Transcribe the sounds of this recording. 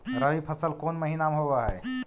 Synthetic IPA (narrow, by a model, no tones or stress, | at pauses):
ɾəʋipʰəsəlkonməɦinamɦoβaɦɛ